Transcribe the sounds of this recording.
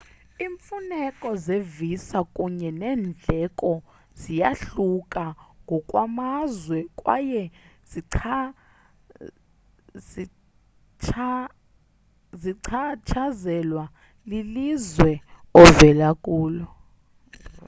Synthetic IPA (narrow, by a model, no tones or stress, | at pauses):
iːɱfunɛkʼɔzevisakʼuɲɛnɛːnd͡ɮʱɛkʼɔ | zijaɬukʼaŋɡʱɔkʼwamazwɛkʼwa̰jɛz̥iǀʰa | i | t͡ʃʰ | ziǀʰat͡ʃʰazɛlwa | lilizwɛɔvɛlakʼuːlɔ